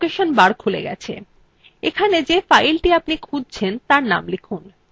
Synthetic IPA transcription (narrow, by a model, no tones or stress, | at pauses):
keʃonbaɾkʰulḛɡɛ̰t͡ɕʰḛ | ekʰaned͡ʑefajlʈiapnikʰud͡ʑt͡ɕʰent̪aɾna̰mlikʰun